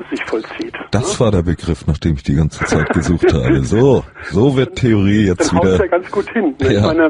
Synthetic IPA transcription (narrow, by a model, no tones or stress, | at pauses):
z̥ɪçfɔlt͡siːtd̥asv̥aːɐdeːɐbəɡʁɪfnaːχd̥eːmɪçd̥iːɡant͡sə̥t͡saɪt̚ɡ̥əzuːχtha̰ːbəzoːzoːvɪɐtʰeoʁ̞iːjɛt͡stv̥iːdɐaɡant͡sɡ̥uːthɪnjaːaɪnɐ